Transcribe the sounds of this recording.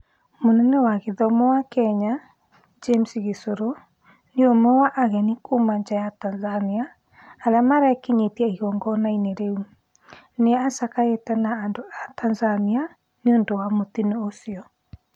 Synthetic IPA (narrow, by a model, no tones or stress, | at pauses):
monɛnɛwaɣeðɔmɔwakɛɲa | d͡ʒemsiɣesoɾo | neomɛwaʔaɣɛnikomaɲd͡ʒajatanzaniaː | lamaɾɛkeɲetiɛiɣɔŋɡɔnaineɾeu | neasakaetɛnaːndoatanzania | neondowamotineosiɔ